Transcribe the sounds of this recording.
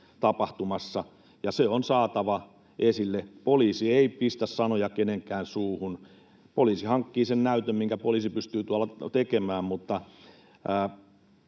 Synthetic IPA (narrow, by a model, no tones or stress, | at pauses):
t̪ɑpɑht̪umɑsːɑ | jɑseonsɑːt̪ɑʋɑ | esilːepoliːsieipist̪æssɑnojɑkeneŋkˑæːnsuːhun | poliːsihɑŋkːiːsennæyt̪ømmiŋkæpoliːˑsipyst̪yːt̪uɑlːɑt̪ekemæːmmut̪ːɑ | əː